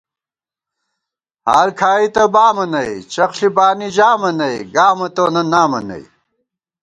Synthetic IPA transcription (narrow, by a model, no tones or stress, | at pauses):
haːɾkʰaːit̪ɐbaːmɐnɐjt͡ɕɐxɬibaːnid͡ʑaːmɐnɐjɡaːmɐt̪onɐnaːmɐ̰nɐ̰i